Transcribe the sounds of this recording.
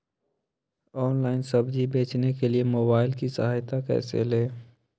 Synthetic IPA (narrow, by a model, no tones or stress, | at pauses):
ɔːnlaːɪnsɐbd͡ʒibeːt͡ʃnekeliemoːbaːɪlkisɐ̰ɦaːjt̪akɛ̰ːsḛleː